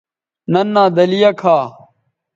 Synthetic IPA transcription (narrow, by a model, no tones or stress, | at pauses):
nɐnːaːd̪ɐlijɐkʰaː